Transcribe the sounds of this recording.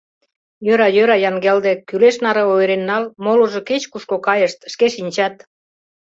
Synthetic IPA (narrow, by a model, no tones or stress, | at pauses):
jøɾɑjøɾɑjɑŋɡeld̪ekyleʃnɑɾɤojɾenːɑlmoluʒoket͡ɕkuʃkokɑjəʃt̪ʃkeʃinʲt͡ɕɑt̪